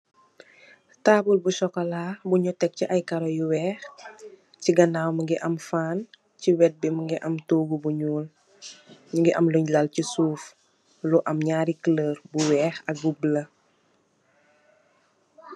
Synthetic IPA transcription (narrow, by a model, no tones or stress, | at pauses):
taːbulbuʃɔkɐlaːbuɲutɛk̚ciʔajkaɾɔjuwɛːx | ciɡɐnawmɐŋɡiʔɐmfaːn | ciwɛt̚biməŋɡiʔɐmtoːɡubuɲuːl | ɲuŋɡiʔɐmluɲlɐlcisuːf | luʔɐmɲaːɾikləːɾbuwɛːxɐk̚ɡublɐ